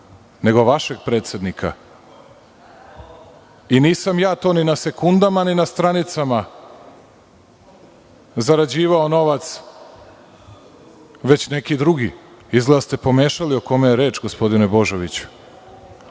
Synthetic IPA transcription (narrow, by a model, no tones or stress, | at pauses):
ne̞ɡo̞ʋaʃe̞ɡ̚pɾe̞ːt̪se̞d̪nikʰa̰ | iniːsamjaːt̪o̞ːninase̞kund̪amaninast̪ɾanit̪sama | zaɾad͡ʑiːʋao̞no̞ʋat̪s | ʋe̞t͡ɕne̞kid̪ɾuɡiizɡlast̪e̞po̞me̞ːʃalioko̞mejeɾeːt͡ʃɡospo̞d̪inebo̞ʒoʋit͡ɕu̥